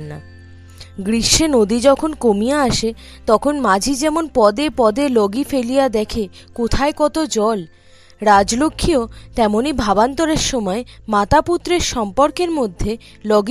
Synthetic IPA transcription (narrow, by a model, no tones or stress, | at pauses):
nːa | ɡɾiʃːenod̪id͡ʑɔkʰonkomijaaʃe | t̪ɔkʰonmad͡ʑʱid͡ʑɛmonpɔd̪epɔd̪elɔɡifelijad̪ɛkʰe | kot̪ʰaekɔt̪od͡ʑɔl | ɾad͡ʑlokʰːiot̪ɛmonibʱabant̪oɾeɾʃɔmɔemat̪aput̪ːɾeɾʃɔmpoɾkeɾmod̪ʱːe | lɔɡ